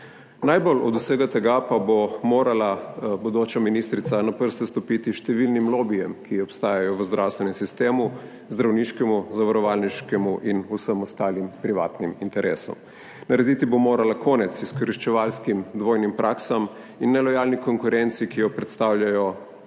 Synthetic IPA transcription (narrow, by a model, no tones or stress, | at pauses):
najbolʔɔ̰d̪useːɡat̪ɛɡapabomoːɾalabud̪oːt͡ʃaminist̪ɾit̪sanapəɾst̪ɛst̪ɔpit̪iʃt̪ɛʋilnimloːbijɛmkiɔpst̪aːjajɔʋəzd̪ɾʔawst̪ʋɛnɛmsist̪eːmu | zd̪ɾawniʃkɛmuzaʋaɾɔʋaːlniʃkɛmuʔinusəmɔst̪aːlimpɾiʋaːt̪nimint̪ɛɾʔḛːsɔ̰m | nɐɾɛd̪it̪ibomoːɾalakʰɔːnɛt̪siskɔɾiʃt͡ʃɛʋalskimd̪ʋoːjnimpɾʔaksam | inːɛlɔjalnikoŋkuɾɛnt̪sikijɔpɾɛt̪st̪awlʲjʲajɔ